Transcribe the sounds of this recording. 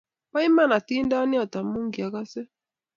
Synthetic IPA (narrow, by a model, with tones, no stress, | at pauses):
pa˦i˦ma˦˨na˨ti˦n˦da˦ni˦ɔ˨ta˨mu˦ŋɡi˨a˨ka˦sɛ˦